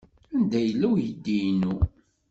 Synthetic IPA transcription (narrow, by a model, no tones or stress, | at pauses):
ænd̪æjəlːæwjəd̪ːijnu